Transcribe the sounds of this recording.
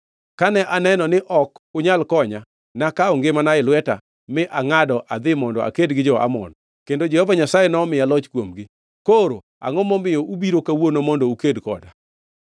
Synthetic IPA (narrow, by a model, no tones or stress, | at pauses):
kanɛʔanɛnɔnɪʔɔkʊɲalkɔɲa | nakaɔŋɡemanaɪlwɛta̰ | mɪʔaŋadɔʔad̪ɪmɔndɔa̰kedɡɪd͡ʒɔʔa̰mɔ̰n | kendod͡ʒɛhɔvaɲasajenɔmɪjalɔt͡ʃkwomɡɪ | koɾo̰ | a̰ŋɔmɔmɪjɔubiɾokawonomɔndɔukedkɔ̰da